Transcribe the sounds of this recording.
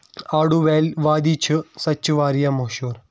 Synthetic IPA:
aːɽuʋelʋaːd̪iːt͡ʃʰɨsɐt͡ʃuʋaːɾijamɐɦʃuːɾ

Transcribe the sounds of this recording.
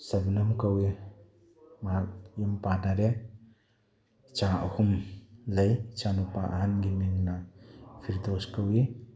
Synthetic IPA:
sɐbnɐmkɐwi | mɐak̚jumpanaɾe | t͡ʃaɐhumlɐjt͡ʃanupaʔa̰ɦanɡimiŋnɐpʰiɾdoskɐwi

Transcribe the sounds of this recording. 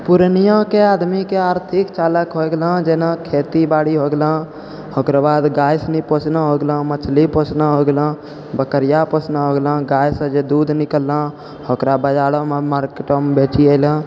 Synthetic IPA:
puɾənijãkead̪mikeaɾt̪ʰikt͡ʃaləkɦoɡelə̃d͡ʒenakʰet̪ibaɽiɦoɡelə̃ | hokɾabad̪ɡajsnipot͡ʃnəɦoɡelə̃mət͡ʃʰlipot͡ʃnaɦoɡelə̃ | bəkəɾijaposnaɦoɡelə̃ɡajsə̃d͡ʒed̪ud̪nikəlːə̃ | hokɾabəd͡ʒaɽəmemaɾkeʈəmbet͡ʃiəɪlə̃

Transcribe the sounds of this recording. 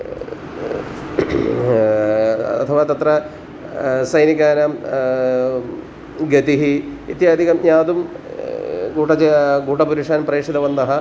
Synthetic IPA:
ɐt̪ʰɐʋɐt̪ɐt̪rɐ | sɐjniɣaːnɐm | ɡɐt̪iɦiit̪jaːd̪ʱiɣɐmjaːd̪um | ɡuːʈːɐɡuːʈːɐpuɾuʂaːnɐmpreːʂɐlɐʋɐnd̪ɐɦɐ

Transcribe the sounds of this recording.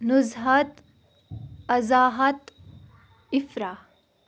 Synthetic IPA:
nuzɦɐt̪ | ɐzaːɦɐt̪ | ɪfɾaː

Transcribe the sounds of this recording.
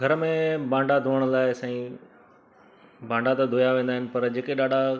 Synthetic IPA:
ɡʱɐɾmẽbãːɳɖad̪ʱoːəɽ̃əlaːɪsãːĩ | bãːɳɖat̪ɐd̪ʱoːjaʋẽːnd̪aːɦɪnɪ̆pɐɾd͡ʑeːkeɗaːɖʱa

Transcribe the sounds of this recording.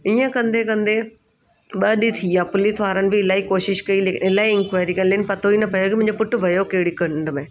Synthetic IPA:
iə̃kɐ̃nd̪ʱekɐ̃nd̪e | ɓɐɗit̪ʰiaːpʊlisʋaːɾənɪ̆bʱɪɪlaːikoːʃɪʃkɐileːkɪlaːiɪ̃ŋkʋaːɪɾikɐnliənɪ̆pɐt̪ʰoinɐpɐjokimʊ̃ɪ̃ɲd͡ʑopʊʈʰʊ̆bʱɐjokɐɦɪɽikɐ̃ɳɖmẽː

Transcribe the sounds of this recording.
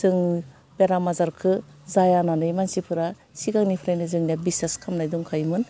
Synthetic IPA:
zɯŋ | beɾamazaɾkʰɯ | zajananɯjmansipʰɯɾa | siɡaŋnipʰɾajnɯzɯŋnabisneskʰamnajduŋkʰajmɯn

